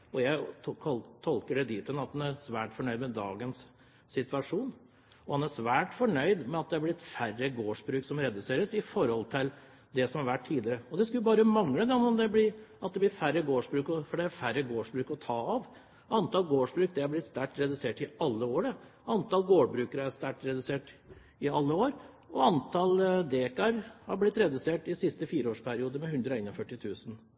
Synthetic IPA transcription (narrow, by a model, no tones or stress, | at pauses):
ɔjæɪ | t̪ʰɔlkəɖɛd̪iːt̪ənɑt̪̚h̪ɑnæɾsʋæːʈfɔɳœʏd̪mɛd̪ɑ̰ːɡəns | sɪt̪ʋɑʂuːn | ɔhɑnæʂʋæːʈfɔɳœʏd̪mɛɑt̪̚d̪ɛæblɪt̪færːəɡoːʂbɾʉːksɔmɾɛd̪ʉseːɾəsɪfɔɾhɔlt̪ʰɪl | d̪ɛsɔmhɑɾʋæʈʰtiːd̪lɪəɾəɔd̪ɛskʉlːəbɑːɾəmɑŋləd̪ɛnɔmd̪ɛblɪɾɑt̪̚d̪ɛblɪfæɾːəɡoːʂbɾʉːkɔfɔɖɛæɾfæɾːəɡoːʂbɾʉːkɔt̪ʰɑːɑʋ | ɑnt̪ɑlɡoːʂbɾʉːk̚d̪ɛhɑɾblɪt̪st̪æʈ̪̚ɾɛd̪ʉseːʈɪɑlːəoːɾəɑnt̪ɑlɡoːɖbɾʉːkəɾəæst̪æʈɾɛd̪ʉseːʈ | ɪɑlːəoːɾ | ɔɑnt̪ʰɑld̪eːkɑɾhɑɾblɪt̪ɾɛd̪ʉseːʈɪsɪst̪əfiːɾəoːʂpʰæɾɪuːd̪əmɛhʉnd̪ɾɔæɪnɔfœʈːɪt̪ʰʉːsən̩